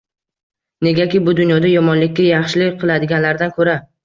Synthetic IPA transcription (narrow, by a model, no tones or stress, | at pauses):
ne̞ɡʲakʲɪbʊd̪ʊnjɒd̪ajɒmɒnlɪkʲːajɑχʃɪlɪqʰɨlˠad̪ɪɡʲanlaɾd̪ankʰɵɾa